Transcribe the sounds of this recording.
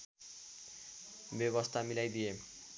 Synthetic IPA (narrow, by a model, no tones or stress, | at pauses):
bjeβʌst̪ʰamilajd̪ije